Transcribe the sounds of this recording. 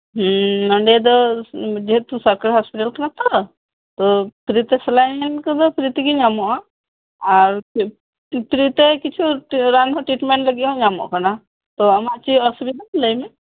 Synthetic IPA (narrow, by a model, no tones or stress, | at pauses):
ɦnəɳɖed̪ɔd͡ʒet̪usəɾkaɾɦaspiʈəlkənat̪ɔ | t̪ɔp̪ɾit̪eslajnkəd̪ɔpɾit̪ikiɲamɔʔa | aɾ | p̪ɾit̪ekit͡ʃʰuʈɾanɦɔʈɾiʈmẽɳʈləɡiɔ̃ɲamɔ̰ʔkana | t̪ɔəmaʔt͡ʃiəsbinat̪ləjme